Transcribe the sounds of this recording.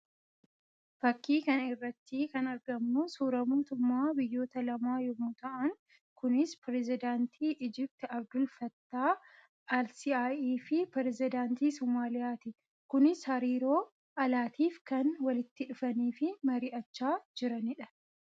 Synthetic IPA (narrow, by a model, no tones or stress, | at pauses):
fɐkːiːkɐnɪrːɐt̪ːɪkɐnɐɾɡɐmnʊsuːɾɐmoːt̪ʊmːaːbɪjːo̞ːt̪ɐlɐmaːjɔmʊt̪ɐʔɐŋ | kʊnɪspɾɛzɪd̪aːnt̪ʰiːʔɪd͡ʒɪp̚t̪ɛɐbd̪ʊlfɐt̪ːaː | ɐlsiaːʔiːfɪpɛɾɛzɪd̪aːnt̪iːsɔmaːlɪjaːt̪ɪ | kʊnɪshɐɾiːɾo̞ː | ɐlaːt̪iːfkɐnwɐlɪt̪ːɪᶑʊfɐniːfɪmɐɾiːʔɐt͡ʃːaːd͡ʒɪɾɐnɪᶑɐ̥